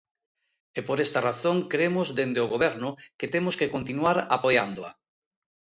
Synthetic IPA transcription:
epoɾest̪araθoŋkɾemʊzðend̪eʊɣoβɛɾnʊket̪emʊskekont̪inuaɾapojand̪oa̰

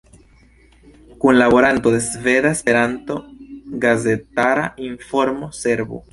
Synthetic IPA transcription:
kunlaβo̞ɾanto̞d̪e̞sve̞d̪aespe̞ɾanto̞ɡaze̞taɾaiɱfo̞ɾmo̞se̞ɾbo̰

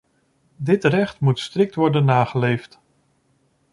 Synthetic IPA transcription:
dɪtrɛχtmutstrɪk̚tʋɔɹdənːaːχəlejft

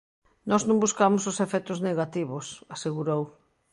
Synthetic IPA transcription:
nɔznũmbuskamosʊsefɛt̪ʊzneɣat̪iβosaseɣuɾow

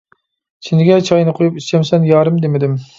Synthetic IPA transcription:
t͡ʃʰind̪ɪɡʲɛt͡ʃʰɑjnɨqʰojupiʃt͡ʃʰɛmsɛnjɑːɾɨmd̪emɪd̪ɪm

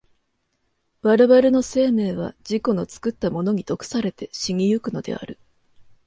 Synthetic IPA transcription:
b̥aɾɯ̟baɾɯ̟no̞se̞ːme̞ːβ̞a̰d͡ʑiko̞no̞t͡sɨ̥kɯ̟t̪ːamo̞no̞ɲ̟it̪o̞kɯ̟̥saɾe̞t̪e̞ɕiŋʲijɯkɯ̟no̞d̪e̞̰a̰ɾɯ̟

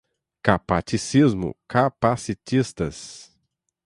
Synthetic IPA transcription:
kapat͡ʃisizmʊ̰kapasit̪ist̪ɐs

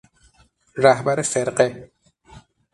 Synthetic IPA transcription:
ɾahbaɾefɪɾqe

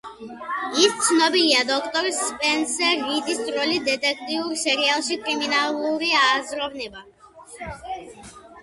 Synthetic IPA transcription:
ist̪snɔbiliad̪ɔkt̪ɔɾspɛnsɛɾːid̪ist̪ɾɔlid̪ɛt̪ɛk̚t̪iuɾsɛɾialˠʃikɾiminalˠɔviaːzɾɔvniva

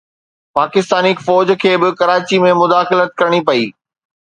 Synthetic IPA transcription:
paːkɪst̪aːnikfɔːd͡ʑkʰeːbɪkɐɾaːt͡ɕimẽmʊd̪aːxɪlət̪̚kɐɾɽ̃ipɐiː

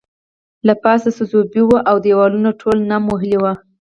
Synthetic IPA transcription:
lapɑsasəzobiwuʔawd̪ejwɑlunoʈʰolnamoɦɪliwa

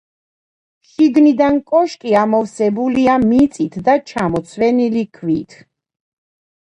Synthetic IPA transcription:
ʃiɡnid̪ankʼɔʃkʼiamɔfsɛbuliamit̪sʼit̪ʰd̪at͡ʃʰamɔt̪sʰwɛnilikʰvit̪ʰ

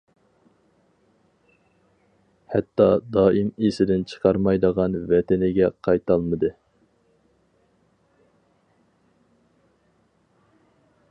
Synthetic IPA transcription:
hɛt̪ːɑd̪ɑːimesɪd̪ɪnt͡ʃʰə̥qʰɑɾmɑjd̪əʁɑnvɛt̪ɪnɪɡʲɛqʰɑjt̪ʰɑlˠmɨd̪ɨ

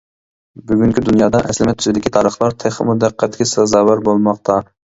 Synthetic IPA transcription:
byɡʲyŋkʲid̪unjɑːd̪ɑʔɛslɪmɛt̪ʰːyzɪd̪ɪkʲʰit̪ʰɑːɾəχlˠɑɾt̪ʰeχmud̪æqʰːæt̪ɡʲɛsɑzɑːwæɾbolˠmɑqt̪ʰɑ

